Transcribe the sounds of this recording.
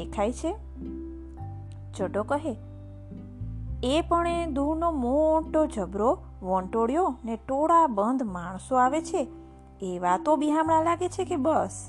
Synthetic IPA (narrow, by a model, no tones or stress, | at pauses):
ekʰajt͡ʃʰe | d͡ʒəɖokəɦe | epəɳed̪unomoʈod͡ʒʱəbɾo | ʋə̃ɳʈoɽjoneʈoɽabənd̪maɳ̃soaʋet͡ʃʰeː | ʋat̪obiɦamɳãlaɡet͡ʃʰekebəs